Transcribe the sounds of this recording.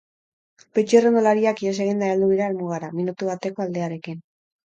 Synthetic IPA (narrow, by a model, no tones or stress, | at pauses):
pet͡ʃerend̪olaɾiakiese̞ɣ̞ind̪aald̪uβiɾaeɾmuɣ̞aɾaminut̪uβat̪e̞ko̞ald̪e̞aɾe̞kin